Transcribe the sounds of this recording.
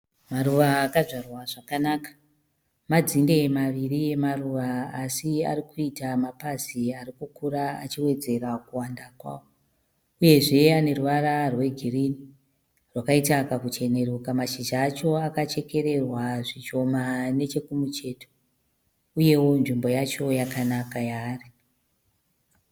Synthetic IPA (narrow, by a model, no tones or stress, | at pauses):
maɾuʋaːkaʐarwaʐakanaːkḁ | mad͡zinde̞maʋirije̞maruʋaːsia̰ɾikuitamapaziaɾikukuɾaat͡ʃiwe̞d͡ze̞ɾakuwandakwa̰ːwo | uje̞ʐe̞ane̞ruʋaɾarwe̞ɡʱirini | rwakaitakakut͡ʃe̞ne̞ɾukamaʃiʒaːt͡ʃo̞akat͡ʃe̞ke̞ɾe̞rwaʐit͡ʃo̞mane̞t͡ʃe̞kumut͡ʃe̞ːto̥ | uje̞wo̞nʐimbo̞jat͡ʃo̞jakanakajaːri